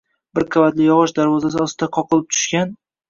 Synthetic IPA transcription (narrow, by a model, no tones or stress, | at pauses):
bɪɾkʰavat̪lɪjɒʁɨʃd̪aɾvɒzasɪɒsɪd̪aqʰɒqɨlˠɪp̚t̪ʰʊ̥ʃkʲan